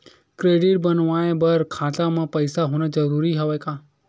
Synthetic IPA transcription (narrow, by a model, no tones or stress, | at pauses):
kɾeɖiʈ̚bənʋaebəɾkʰat̪amãpəjsaɦũnẽd͡ʒəɾuɾiɦəʋekã